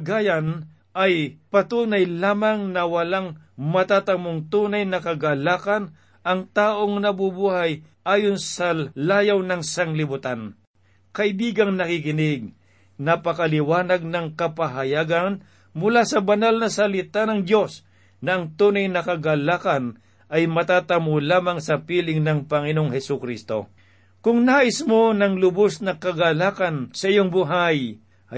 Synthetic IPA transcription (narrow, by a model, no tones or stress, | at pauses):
ɡaːjan | ʔɐjpɐt̪uːnɐjlaːmaŋnɐwɐlaŋ | mɐt̪at̪ɐmoŋt̪uːnajnɐkɐɡalaːkɐn | ʔɐŋt̪aːʔo̞ŋnɐbʊbuːhaj | ʔaːjonsɐlaːjawnɐŋsɐŋlɪbʊt̪an | kɐʔɪbiːɡɐŋnɐkɪkɪnɪɡ̚ | nɐpɐkɐlɪwaːnɐɡ̚nɐŋkɐpɐɦɐjaːɡɐn | mʊlasɐbɐnalnɐsɐlɪt̪anɐŋd̪jo̞s | nɐʔɐŋt̪uːnɐjnɐkɐɡalaːkɐn | ʔɐjmɐt̪aːt̪ɐmolaːmɐŋsɐpiːlɪŋnɐŋpɐŋɪnoŋhɛsʊkɾist̪o̞̰ | kʊŋnaːʔɪsmonɐŋlʊbosnɐkɐɡalaːkɐnsɐʔɪjoŋbʊɦaj